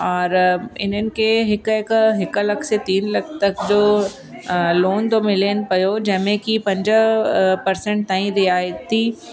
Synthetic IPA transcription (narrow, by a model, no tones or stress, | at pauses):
ɔːɾɪ̰n̤ənɪ̆kʰeɦɪkɪkɦɪklɐkʰset̪iːnlɐkʰt̪ɐkd͡ʑoː | loːnt̪omɪlen̆pɐjod͡ʑɐ̃ɦmẽkipɐ̃ɲd͡ʑ | pɐɾsɛ̃ɳʈ̚t̪aːĩɾɪaːjət̪ʰːiː